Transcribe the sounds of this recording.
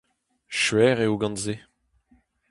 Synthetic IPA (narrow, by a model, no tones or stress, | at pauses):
ʃɥɛːʁeoɡɑ̃nze